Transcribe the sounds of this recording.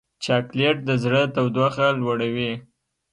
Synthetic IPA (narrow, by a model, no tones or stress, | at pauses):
t͡ʃɑkleʈ̚d̪əzɽət̪awd̪axalwaɽawi